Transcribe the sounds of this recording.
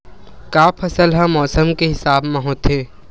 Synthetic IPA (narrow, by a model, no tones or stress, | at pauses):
kaːpʰɐsəlɦɛ̃mɔːsəmkeɦɪsaːbmẽɦoːt̪ɦẽː